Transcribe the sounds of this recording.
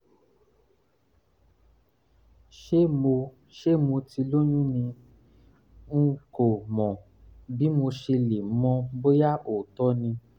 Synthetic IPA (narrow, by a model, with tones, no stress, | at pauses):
ʃe˦mo˧ | ʃe˦mo˧ti˧lo˦ɲ̃ũ˦nĩ˧ | ŋ̩˦ko˨mɔ̃˨ | bi˨˦mo˧ʃe˧le˨m̩˦mɔ̃˧˦bo˦ja˦o˨tɔ˦nĩ˧